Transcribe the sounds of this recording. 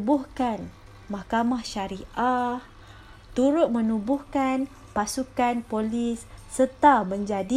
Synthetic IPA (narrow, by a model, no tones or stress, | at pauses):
buhkan | mahkamahʃaɾiʔah | t̪uɾʊt̪̚mə̃nubʊhkan | pasukanpolisːət̪amə̃ɲd͡ʒadi